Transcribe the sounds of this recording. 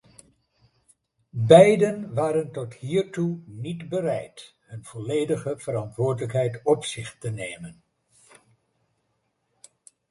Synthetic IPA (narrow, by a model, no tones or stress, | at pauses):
bɛjdənʋaːɾəntɔtɦiːɹtunidbəɾɛjt | ɦɵnv̥ɔlejdəχəv̥əɾɑntʋʊːɹdələkɦɛjtɔpsɪχtənejmən